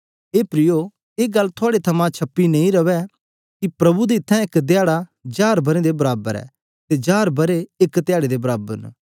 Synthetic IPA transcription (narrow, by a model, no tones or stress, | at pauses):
eːpɾɪjo | eːɡɐlːt̪ʰʊaːɽet̪ʰɐmãt͡ʃʰɐpːinɐ̃ĩɾɐʋɛ | kipɾɐbud̪eɪt̪ʰːɛ̃ɪkd̪ɪjaːɽad͡ʒaːɾbɐɾed̪ebɐɾaːbəɾɛ̰ː | t̪ed͡ʒaːɾbɐɾeɪkd̪ɪjaːɽed̪ebɐɾaːbə̰ɾn